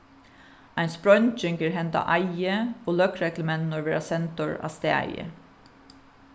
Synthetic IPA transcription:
æɪnspɹɔʏnt͡ʃʏŋkəɹhɛnt̪ɑ̰ʔæɪəoːlœkɹɛkləmɛnnɔɹʋeːɹɑsɛnt̪ɔɹɑ̰ːst̪eːæ̰ɪə̰

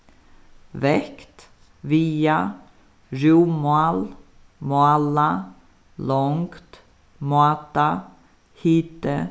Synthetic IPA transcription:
vɛkt̪ | viːa | ɾuːmal | moala | lɔŋkt̪ | mɑːt̪a | hiːt̪ə

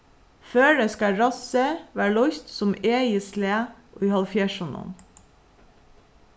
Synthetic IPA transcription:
føːɖeːskɑɹɑsəʋæːɭɔçt̪sɔmeːɪsleːʔiːhɑlfjæːʃʊnʊ̰n

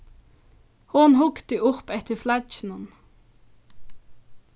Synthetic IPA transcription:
hʊnhʊɡt̪əʔʊpɛt̪əflæd͡ʒn̩ən

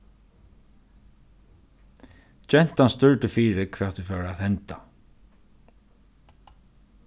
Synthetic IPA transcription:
d͡ʒɛn̥t̪anst̪ʏɹt̪ɪfiːɾɪkʰvɛ̥ːt̪ufœːaðhɛnt̪a

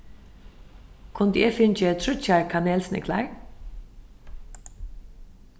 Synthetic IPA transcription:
kʰʊnd̪eːfɪnt͡ʃət̪ʰɾʏt͡ʃaɹkʰaneːlsnɪ̰kʰla̰ɹ

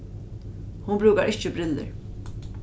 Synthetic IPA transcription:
hʊnbɾuːkaɹʔɪht͡ʃɪbɾɪlːɪ̰ɹ

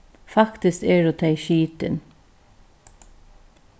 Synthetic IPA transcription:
fɑkt̪ɪskeːɖoːt̪ʰæɪʃiːt̪ə̰n

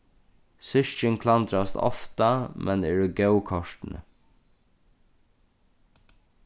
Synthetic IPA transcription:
sʏʃəŋkʰlɑnd̪ɾɑst̪ɔ̰ft̪ɑmʔɛneːɖoːɡœʉkʰɔʃʈn̩ə̰

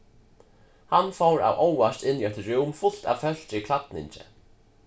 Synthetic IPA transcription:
hanːfowɾa̰wʔowast̪ɪnːiɛht̪ɪɾuwmfʊl̥t̪a̰vfœl̥t͡ɕɪikʰlat̪nɪ̰ɲt͡ɕɪ̰

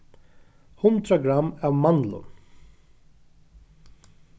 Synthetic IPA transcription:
hʊnd̪ɾaɡɾamːavmanlʊ̰n

